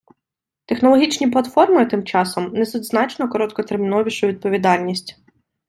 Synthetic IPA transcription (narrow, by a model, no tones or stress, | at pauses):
t̪exnɔlˠɔɦʲit͡ʃnʲiplˠɐt̪fɔrmɪt̪ɪmt͡ʃɑsɔmnɛzɔd̪znɑt͡ʃnɔkɔɾɔt̪̚kɔt̪ermʲinɔʋʲiʃʊʋʲid̪̚pɔʋʲid̪ɑlʲnʲisʲtʲ